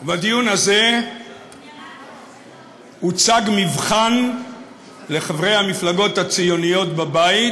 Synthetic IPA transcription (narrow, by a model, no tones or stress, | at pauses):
vad̪ijunaze̞ | hut͡saɡmivχan | le̞χavʁe̞jhamiflaɡo̞t̪hat͡sijo̞nijo̞t̪̚babai